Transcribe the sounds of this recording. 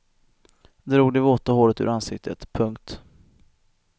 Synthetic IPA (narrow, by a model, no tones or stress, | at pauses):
d̪ɾuːɡ̚d̪ɛvoːt̪ahoːɾət̪ʉ̰ɾansɪk̚t̪ʰə̰t̪pʰɵŋkt̪